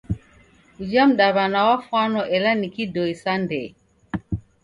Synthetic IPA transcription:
ud͡ʒamɗaβanawafanɔʔɛlanikidɔisandɛ

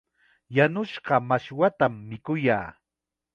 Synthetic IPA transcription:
janʊʃɢɑmaʃwat̪amːɪkʊja̰ː

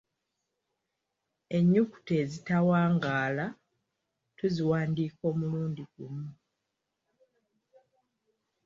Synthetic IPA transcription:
e̞ɲːuku̥te̞ːzitawaːŋɡaːla | tuziwaːndiːko̞ːmuluːndiɡumu

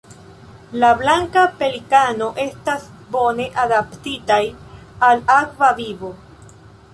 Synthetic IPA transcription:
lablaŋkape̞likano̞ʔe̞stas | bo̞ne̞ʔadaptitaj | alakvavivo̞

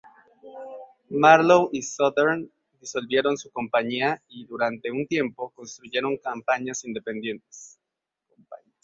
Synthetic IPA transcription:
maɾlowisoðeɾn | d̪iso̞lβje̞ɾo̞nsuko̞mpaɲiaiðuɾant̪e̞unt̪je̞mpo̞ko̞nst̪ɾuʝe̞ɾo̞ŋkampaɲasind̪e̞pe̞nd̪je̞nt̪e̥s | kompa̰ɲ

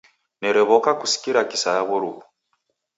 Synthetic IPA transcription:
neɾeβokakusi̥kiɾakisajaβuɾuβu

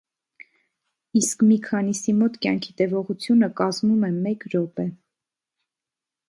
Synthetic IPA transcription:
iskmikʰɑnisimɔt̪kjɑ̰ŋkʰit̪ɛvɔʁut͡sʰjunəkɑzmumɛmɛkɾɔpɛ

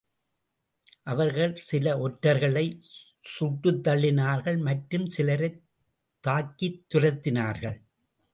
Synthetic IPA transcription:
ʔɐʋɐɾɣɐɭsɪlɐʔɔʈːɐɾɣɐɭɐɪ | sʊʈːɯt̪ːɐɭːɪnaːɾɣɐɭmɐʈɾɯmsɪlɐɾɐɪ | t̪ːaːkːit̪ːʊrɐt̪ːɪnaːɾɣɐɭ

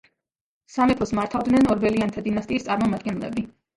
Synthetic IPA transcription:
samɛpʰɔsmaɾt̪ʰavd̪nɛnɔɾbɛliant̪ʰad̪inast̪ʼiːst̪sʼaɾmɔmad̪̚ɡɛnlɛ̰bi

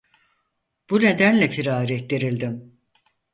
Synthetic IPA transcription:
b̥une̞d̪ænlʲɛfiɾaːɾɛd̪eɾilʲd̪im

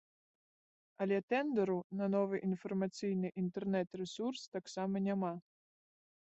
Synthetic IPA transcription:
ɐlʲɛt̪ɛnd̪ɛɾunɐnɔvɨʔinfɐrmat̪sʲɨjnɨʔint̪ɛrnɛt̪rɛsurst̪aksamɐnʲama

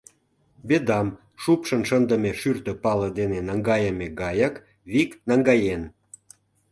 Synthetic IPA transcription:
bed̪ɑm | ʃupʃənʃənd̪ə̆mʲeʃyrt̪ə̆pɑlə̆d̪enenɑŋɡɑjəmʲeɡɑjək | βiknɑŋɡɑjen

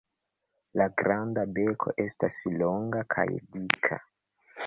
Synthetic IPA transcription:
laɡɾandabekʰo̞̰ʔestasloŋɡakʰa̰jdikʰa̰

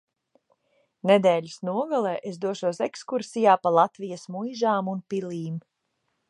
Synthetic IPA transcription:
ned̪ɛːʎʲisnuɔɡalˠɛːʔesd̪uɔʃuɔsekskuɾsijaːpalˠat̪vijɐsmujʒaːmunpiliːm

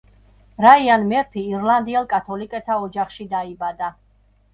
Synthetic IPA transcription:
ɾaianmɛɾpʰiːɾlˠand̪iɛlˠkʼat̪ʰɔlikʼɛt̪ʰaɔd͡ʒaχʃid̪aibad̪a

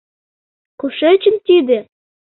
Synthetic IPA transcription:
kuʃet͡ɕə̆nt̪id̪ĕ

